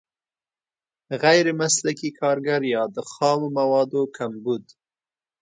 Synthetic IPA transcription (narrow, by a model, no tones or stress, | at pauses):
ɣajɾemaslakikʰɑɾɡaɾjɑd̪əxɑmomawɑd̪okʰambud̪